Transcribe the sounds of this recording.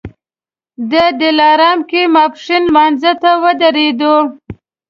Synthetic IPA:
d̪əd̪elɑɾɑmkemɑpʂinmɑnzət̪awəd̪aɾed̪o

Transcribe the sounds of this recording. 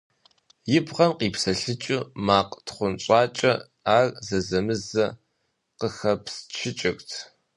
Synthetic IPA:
jɪbʁɐmqiːpsɐɬɨt͡ʃʼɨmaːqtχʷʊnɕʼɑːt͡ʃʼɐ | aːrzɐzɐmɨzɐ | qəxɐpst͡ʃʰɪt͡ʃʼɪkʼtʰ

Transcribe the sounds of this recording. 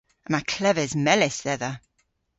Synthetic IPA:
əmakʰl̥ɛvɛzmɛlɪsðɛðə

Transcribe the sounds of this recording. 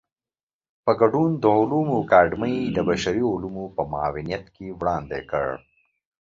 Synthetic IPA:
pəɡɐɖund̪olumukaːɖmɐid̪əbɐʃɐɾiulumupəma̰ːwinijɐt̪kiwɽɑːnd̪ḛkɐ̰ɽ

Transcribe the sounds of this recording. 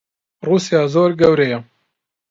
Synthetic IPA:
ruːsijaːzoːɾɡɐwɾejɐ

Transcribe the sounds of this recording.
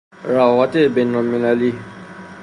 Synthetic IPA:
ɾawatebenɔ̃mĩnali

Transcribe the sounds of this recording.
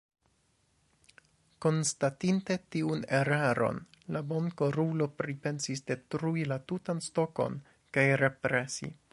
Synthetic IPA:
ko̞nstatinte̞tiune̞ɾaɾo̞̰nlaboŋko̞ɾulo̞pɾipe̞nsisde̞tɾuilatutansto̞ko̞̰n | kajɾe̞pɾe̞sḭ

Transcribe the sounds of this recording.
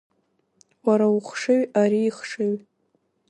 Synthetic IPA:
waɾauχʂɨɥaɾiːχʂɨɥ

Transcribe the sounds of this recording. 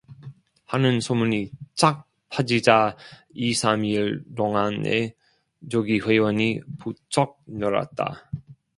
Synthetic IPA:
hanɯnsʰomuɲit͡ɕ͈ak̚ | pʰad͡ʑid͡ʑaisʰamiɭtoŋɦanḛ | t͡ɕoɡiɸwewʌɲiput͡ɕ͈ʰʌk̚ɲʌɾa̰t̚t͈a̰

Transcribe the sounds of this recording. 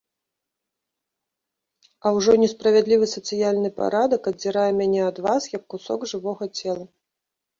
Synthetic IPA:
ɐwʐɔnʲɛspɾɐvʲad̪lʲivɨsɐt̪sɨjalʲnɨpa̰ɾad̪ɐkɐd̪zʲiɾajɛmʲanʲɛɐd̪vasjɐkkusɔɡʐɨvɔɣɐt͡sʲɛlˠɐ

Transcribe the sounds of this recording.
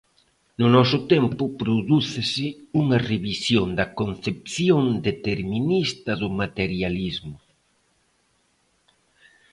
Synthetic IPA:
nʊnɔsʊt̪empʊpɾoðuθesɪuŋareβisjond̪ɐkon̟θep̚θjond̪et̪eɾminist̪ɐðʊmat̪eɾjalizmʊ

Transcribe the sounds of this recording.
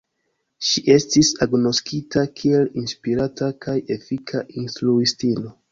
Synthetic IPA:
ʃiʔe̞stisaɡno̞skʰitakʰie̞linspiɾatakajefikʰaʔinstluistilo̞

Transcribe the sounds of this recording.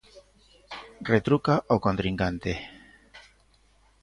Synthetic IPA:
ret̪ɾukaʔokont̪ɾiŋkant̪e

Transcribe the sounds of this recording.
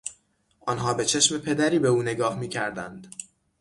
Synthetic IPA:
ʔɒnɦɒːbe̞t͡ʃʰe̞ʃme̞pʰe̞d̪æɾiːbe̞uːne̞ɡɒːhmiːcʰæɾd̪æ̰nd̪̥

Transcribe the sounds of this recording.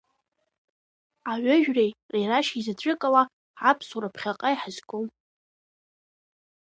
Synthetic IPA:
aʕʷʊʒᶣrejrajɾaʃizat͡ɕʷʼɨkʼawa | ʕapʰsuɾapʰχʲaqʼajħazɡʼom

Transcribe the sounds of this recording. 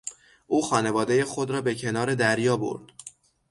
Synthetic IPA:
ʔuːxɒːne̞vɒːd̪e̞je̞xo̞d̪ɾɒːbe̞cʰe̞nɒːɾe̞d̪æɾjɒːbo̰ɾd̪̥

